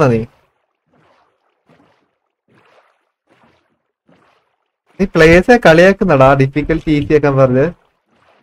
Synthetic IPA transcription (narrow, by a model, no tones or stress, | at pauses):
naniː | niːpɭeːsekɐɭijaːkːunːɐɽaːɖifikʲːɐlʈiːsijaːkːaːnːɨpɐrɐɲːɨ